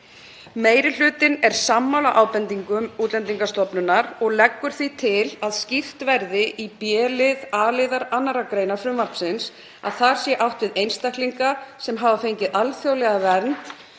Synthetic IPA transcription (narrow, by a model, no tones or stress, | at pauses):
meːjɾɪl̥ʏːt̪ɪnɛɾ̥samːawlaʔawpɛnt̪iŋkʏmuːt̪lɛnt̪iŋkast̪ɔpnʏnːaɾɔɣlɛkːʏɾ̥θvit̪ʰɪlaðscift̪vɛɾðɪʔipjɛːlɪðaːlɪðaɾanːaɾakɾeːjnḁfɾʏmvapsɪns | a̰ðθaɾ̥sjɛʔawht̪vɪðejnst̪ahkliŋkasɛmɦaːvafejɲcɪðʔalθjowlɛɣavɛɾnt̪